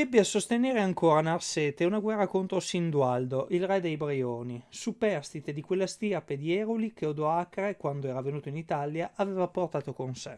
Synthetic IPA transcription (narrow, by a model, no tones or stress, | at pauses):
d̪ebːeasost̪eneːɾeaŋkoːɾanarseːt̪eunaɡwɛrːakont̪ɾosind̪uald̪oʔilrɛd̪ejbɾioːnisupɛrst̪it̪ed̪ikwelːast̪irped̪iɛːɾolik̟eod̪oakɾekwand̪oɛːɾavenuːt̪oinit̪aljaʔaveːvaport̪aːt̪okonse